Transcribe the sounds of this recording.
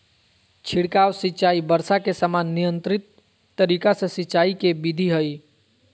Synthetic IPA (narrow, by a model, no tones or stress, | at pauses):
t͡ʃʰiɽkawsit͡ʃaibəɾsakesamanːijənt̪ɾit̪ː | əɾikasə̃sitːt͡ʃaikebid̪ʱiɦəj